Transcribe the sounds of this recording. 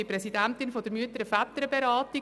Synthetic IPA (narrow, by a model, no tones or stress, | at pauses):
ɪpɾɛsidæntɪnfɔd̥̪əɾmyətəɾəfat̪əɾəbeɾɑːti